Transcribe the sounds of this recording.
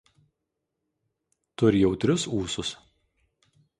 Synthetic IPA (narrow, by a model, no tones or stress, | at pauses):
t̪ʊɾʲjɛʊt̪ʲɾʲʊsuːsʊs